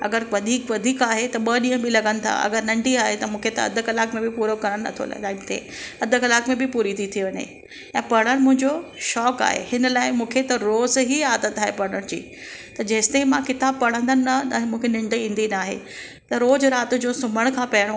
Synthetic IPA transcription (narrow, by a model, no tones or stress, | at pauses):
ɐ̰ɡəɾʋɐd̪ʱiːkʋɐd̪ʱiːkaːɦet̪ɐɓɐɗĩːɦə̃bʱɪlɐɡənɪ̆t̪ʰa̰ʔɐ̰ɡəɾnɐ̃ɳɖiaːɦet̪ɐmũːkʰet̪ɐɐ̰d̪ʱʊ̆kɐlaːkmẽbɪpuːɾokɐɾəɽ̃nɐ̰t̪ʰo̰lɐ̰aːɪmt̪ʰiḛ̃ | ɐd̪ʱʊkɐlaːkmẽbɪpuːɾit̪ʰit̪ʰiʋɐɲḛ | ɛ̃ːpɐɽ̃əɽ̃mʊ̃ɦɪ̃ɲd͡ʑoʃɔːka̰ːɦḛhɪnəlaːɪmũːkʰet̪ɐɾoːzɦiaːd̪ət̪ːaːɦepɐɽ̃əɽ̃d͡ʑiː | t̪ɐd͡ʑɐɦɪsɪ̥t̪eimãkɪt̪aːbpɐɽ̃ə̃nd̪ənɪnɐnaɦmũːkʰenɪ̃ɳɖĩːn̆d̪inaːɦḛ | t̪ɐɾoːzɾaːt̪ʊd͡ʑõːsʊməɽ̃kʰãpɐɽo